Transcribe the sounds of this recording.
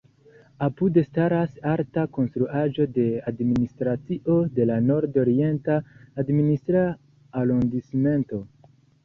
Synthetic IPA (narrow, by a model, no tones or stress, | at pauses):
apude̞staɾasaɾtako̞nstɾuaʒo̞de̞administɾat͡siʔo̞de̞lano̞ɾdo̞ɾie̞ntaːdministɾaː | londisme̞nto̞